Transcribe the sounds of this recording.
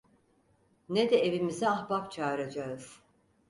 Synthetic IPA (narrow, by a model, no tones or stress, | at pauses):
ned̪ɛevimizɛaxbapt͡ʃʰaːɾad͡ʒaɯz̥